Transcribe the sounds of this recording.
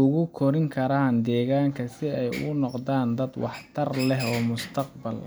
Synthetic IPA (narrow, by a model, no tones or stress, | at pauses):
ʊɣʊkʰɔɾɪŋkʰɐɾaːnd̪ɛːɣaːŋkʰɐsɪɛjʊ̰ɣʊnɔqd̪aːnd̪ɐd̪wɑħt̪ʰɐrlɛɦɔːmʊst̪ʰɐqbɐl